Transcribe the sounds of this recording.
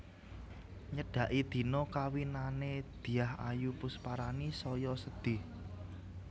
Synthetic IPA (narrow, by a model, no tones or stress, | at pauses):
ɲəɖ̥ä̤ʔid̪̥i̤nɔkawinaned̪̥i̤aha̰jupʊspaɾanisɔjɔsəd̪̥ɪ̤h